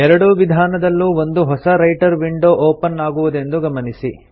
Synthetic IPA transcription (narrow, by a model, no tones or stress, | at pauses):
ɛɾɐɽuʋid̪ʱaːnɐd̪ɐlːuːʋond̪uɦɔsɐɾɐjʈɐɾʋiɳɖoːʔoːpɐnaːɡuʋud̪e̞nd̪uɡɐmɐnisi